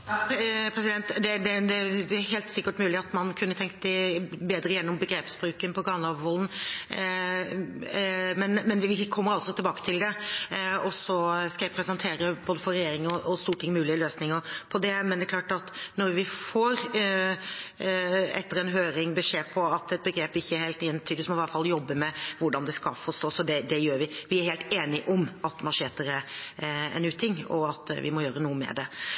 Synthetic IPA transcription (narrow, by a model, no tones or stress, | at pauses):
pʰɾɛs̬ɪd̪ɛnt̪d̪ɛd̪ɛd̪ɛɦɛːlt̪sɪkːəʈmʉːlɪɑt̪mɑnkʰʉnːət̪ʰɛŋkt̪ɛbeːd̪ɾəjɛnːɔmbəɡɾeːpsbɾʉːkənpʰɔɡɑːlɑʋʋɔln̩ | mɛnmɛnʋɪʋɪkʰɔmːəɾɑlsɔt̪ʰɪlbɑːkə̥t̪ʰɪld̪ɛ | ɔsɔskɑʋɪpʰɾɛsənt̪ʰeːɾəboːd̪əfɔɾɛjeːɾɪŋəɔʔɔst̪uːʈʰːɪŋmʉːlɪəløːsnɪŋəpʰɔd̪ɛmɛnd̪ɛklɑːʈɑt̪nɔɾʋɪfoːɾ | ɛ̰t̪ːəɾɛnɦøːɾɪŋbəʂeːpʰɔɑt̪ɛt̪̚bəɡɾeːpɪçːəæheːlt̪ɪjɛnt̪ʰyːd̪əsmɔɪʋæɾfɑljɔbːəmɛʋʊɖɑnd̪ɛskɑfɔʂt̪oːsɔd̪ɛd̪ɛjøːɾʋɪʋɪæɾheːlt̪eːnɪʔɔmɑt̪mɑʂeːt̪əɾə | ɛ̰nʉːt̪ʰɪŋːɔ̰ɑt̪ʋɪ̰mɔjøːɾənuːəmɛ̰d̪ɛ